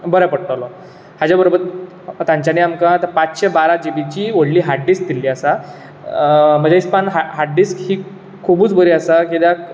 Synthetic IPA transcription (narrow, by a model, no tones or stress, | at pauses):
bəɾapəɽʈalɔ | had͡ʑjabəɾobəɾ | t̪jãɲt͡ɕjaniamkat̪əɾpat͡sɕebaɾad͡ʑibit͡ɕiʋoɽliːɦaɾɖisd̪ilːiːəsa | m̤əd͡ʑaispanɦaɦaɾɖiskhiː | kʰːubuːt͡sbəɾiasakid̪ja